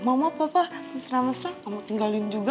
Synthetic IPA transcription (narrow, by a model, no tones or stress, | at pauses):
mamapapamasɾamasɾaamat̪iŋɡalɪnd͡ʒuɡa